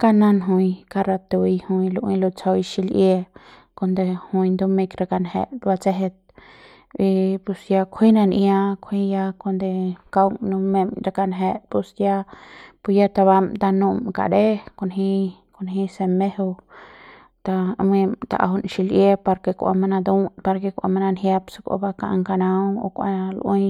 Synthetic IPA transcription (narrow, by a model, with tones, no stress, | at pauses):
ka˦nã˦nɦũ˧jka˧ɾa˧t̪u˧i˧hũ˧jlu˧ʔĩ˦lo˧t͡so˧jʃi˧lʔje˦ | ko˧nd̪e˧hũ˧jnd̪u˦me˧kɾa˧ka˧nhḛ˧ʔba˧t͡se˦ɦe˧t̪̚ | i˧pu˧sja˧kʷʰi˦nã˧nʔja˧kʷʰhĩ˦ja˧kʷo˧nd̪e˧ka˧wŋnũ˧me˧mɾa˧ka˧nɦe˧ʔpu˧sja˦˧pu˧ja˦t̪a˧βa˧mt̪a˧nũ˧mka̰˨ɾe˦ko˧˨nɦi˦ | ko˧nɦi˦se˧me˦ho˧ | t̪a˧me˧mt̪a̰˨ʔa̰˧ɦu˧nʃi˧lʔje˦pa˧ɾke˧kʷʔa̰˧ma˧na˧d̪u˦pa˧ɾke˧kʷa̰˧ma˧na˧nɦje˦psḁ˧kʷa̰˧ba˧ka̰˧ʔŋka˧nã˧wo̰˧kʷa̰˧lʔũ˦